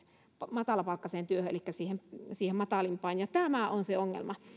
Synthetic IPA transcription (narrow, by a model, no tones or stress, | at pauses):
pmɑt̪ɑlɑpɑˑikːɑseːnt̪yøhøḛlikːæsiːhemsiːhemmɑt̪ɑˑlimpɑˑinjɑt̪æmæˑʔonseoŋːḛlmɑ